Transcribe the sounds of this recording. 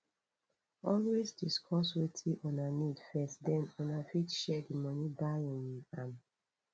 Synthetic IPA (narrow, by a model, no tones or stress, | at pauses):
ɔlwisdiskʰɔswetʰiʔɔnanidfɛstdɛ̃nɔnafitʃɛdimɔ̃nibaɔ̃niam